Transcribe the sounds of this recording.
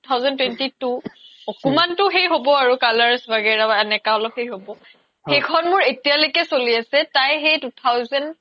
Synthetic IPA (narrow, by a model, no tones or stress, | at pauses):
tʰawzɔntwɛntituɔkɔmantʊxejɦobɔaɹukalaɹsbaɡɛɹaɛnɛkaɔlɔphejɦobɔ | hxejkʰɔnmʊɹetijalojkɛsoliasɛtajxejtutʰawzɛn